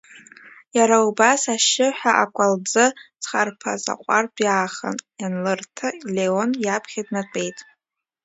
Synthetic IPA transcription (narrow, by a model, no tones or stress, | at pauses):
jaɾaubasaʃɪħʷᶣaʔakʷʼald͡zɨt͡sʰʼχarpʰa̰za̰qʷʼarbjaːχa̰nanlɨrtʰaleonjapʰχʲadnat͡pʷʼe̞jtʼ